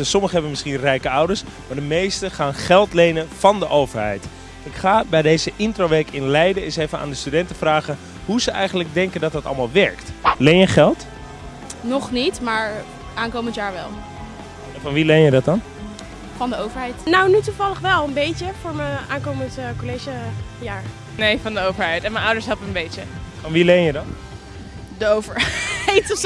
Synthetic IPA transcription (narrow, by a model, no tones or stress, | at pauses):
sɔməχəɦɛbəmɪsχinrɛjkəʌwdəɹs | maːɹdəmejstəχaːnχɛlˠtlejnənfɑndəʔowvəɹɦɛ̰jt | ɪkχaːbɛjdejzəʔɪntrowʋejkɪnlɛjdəɪsejvəna̰ːndəstydɛntəfraːχən | huzəɛ̰jχənləɡ̚dɛŋkəndɑt̚ɑtɑ̰lˠmaːlˠʋɛɹktlejnjəχɛlˠt | nɔχnitmaːɹ | ʔaːnkowməntjaːɹʋɛ̰lˠ | ɛfɔnʋilenjədɔt̚ɑn | fɑndəowvəɹɦɛjtnawnytuvɑlˠəχʋɛlˠənbejtəfʊːɹməaːnkowməntkolejʒəjaːɹ | nejfɑndəowvəɹɦɛjtɛnmɛnɔwdəɹsɦɛpənbejtəfɔnʋilenjədɔn | dəowvəɹɛjt